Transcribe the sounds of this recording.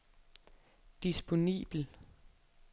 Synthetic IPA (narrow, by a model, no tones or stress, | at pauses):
d̥isb̥o̝nḭːb̥l̩